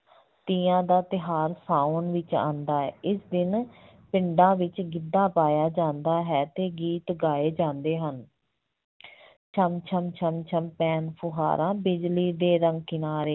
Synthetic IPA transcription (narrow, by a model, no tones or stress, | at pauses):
t̪iːãːd̪aːt̪ɪɦaːɾsaːʊnʋɪt͡ʃã̰ːnd̪aːɛːʔɪsd̪ɪn | pɪɳɖãːʋɪt͡ʃɡɪd̪ːãːpaːjaːd͡ʒãːnd̪aːɦɛːt̪eːɡiːt̪ɡaːeːd͡ʒãːnd̪eːɦən | t͡ʃʰəmt͡ʃʰəmt͡ʃʰəmt͡ʃʰəmpɛːnpʰʊɦa̰ːɾãːbɪd͡ʒliːd̪eːɾəŋɡkɪnaːɾeː